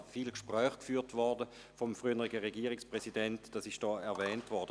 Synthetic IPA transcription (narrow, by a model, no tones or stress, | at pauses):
fiːlkʃpʁœːχkfyːɐtvɔʁdə | fɔmfʁyənəʁɪɡəʁeɡiːʁɪkspʁ̥ɛsidɛntd̥ɑsɪʃd̥ɔːɛɐvɛːntvɔʁd̥ə